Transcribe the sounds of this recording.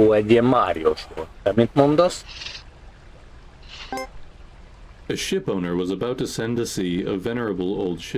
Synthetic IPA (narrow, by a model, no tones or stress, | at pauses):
uɛd̪iɛmaɾjosutɛmĩnt̪mũnd̪ɔs | ɨʃɪpõʊ̃nə˞wʌzəbaʊtʰɨsɛ̃ndɨsiʌ̰vɛnə˞ɨbl̩ˠoʊlˠd̥ʃɪ